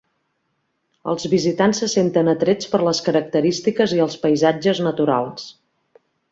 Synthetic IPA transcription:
ə̰lˠzβizit̪ansːəsent̪ənət̪ɾet͡spəɾləskəɾək̚t̪əɾist̪ikəziəlˠspəjzad͡ʒəznət̪uɾalˠs

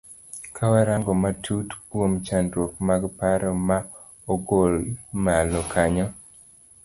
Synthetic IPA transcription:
kʰawaɾaŋɡɔmatʰutkwomt͡ʃandɾwok̚maɡpaɾɔma | oɡolmalɔkʰaɲɔ

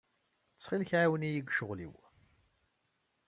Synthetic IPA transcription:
t͡sːχɪlçʕawənijiɡʃʊʁlḭw

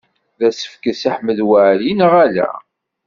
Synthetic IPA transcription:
ðæsə̥fkəsaħməðwaʕlinʁælæ̰

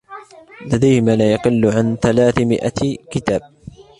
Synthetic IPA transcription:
lad̪ajhɪmaːlaːjɑqɪlːʊʕanθalaːθmɪ̰ʔa̰kɪt̪aːb̚

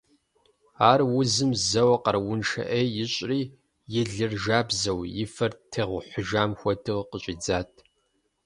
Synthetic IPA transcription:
aːrwʊzɨmzɐwɐqɐrwʊnʃɐ̰ʔejjɪɕʼriː | jɪɮɨrʒaːbzɐwjɪfɐrtʰeːʁʷʊħʷʊʒaːmxʷɔtʰɨʁqəɕʼiːd͡zaːtʰ

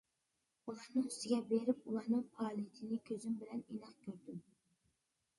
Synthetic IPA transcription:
ulˠɑɾnɨŋyst̪ɪɡʲɛbeɾɪp̚ulˠɑɾnɨŋpʰɑlˠijt̪ʰɪnɪkʲʰøzymbɪlɛnenɑqkʲʰøɾd̪ɪm

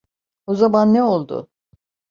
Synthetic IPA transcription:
ozamanːɛolˠd̪ʊ̰

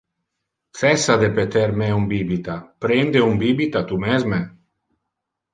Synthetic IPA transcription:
sɛsad̪epet̪eɾmeumbibit̪apɾend̪eumbibit̪at̪umɛzme

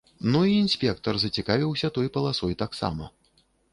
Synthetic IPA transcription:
nuiːnʲsʲpʲɛk̚t̪ɐrzɐt͡sʲikavʲiwsʲɐt̪ɔjpɐlˠasɔjt̪aksa̰mɐ̰

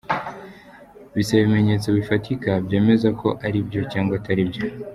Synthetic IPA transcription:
βisaβime̞ɲe̞ːt͡so̞βifatikabɟe̞ːme̞zakʰo̞ʔaɾibɟo̞caːŋɡwataɾibjo̞

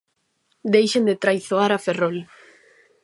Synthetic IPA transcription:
d̪ejʃend̪et̪ɾajθoaɾaferol

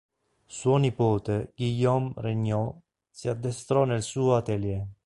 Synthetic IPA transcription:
suonipɔːt̪eɡijɔmrɛɲːɔ | siad̪ːɛst̪ɾɔnelsuːat̪ɛljɛ

